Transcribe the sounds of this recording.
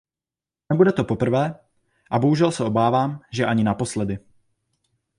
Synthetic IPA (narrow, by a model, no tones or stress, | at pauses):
nɛbudɛt̪o̞po̞pr̩vɛː | ʔaboɦuʒɛlsɛʔo̞baːvaːmʒɛʔaɲɪnapo̞slɛdɪ